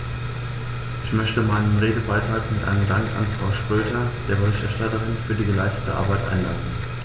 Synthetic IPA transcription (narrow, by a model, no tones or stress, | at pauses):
ʔɪçmœçtəmaɪnənʁeːdəbaɪtʁ̥aːkmɪtʔa̰ɪnəmdaŋka̰nfʁ̥aʊʃpʁ̥øːtʰɐd̥eːɐbəʁɪçtɛɐʃtatəʁɪnfyːɐdiːɡəlaɪstə̥təʔa̰ɐbaɪtʔa̰ɪnla̰ɪdn̩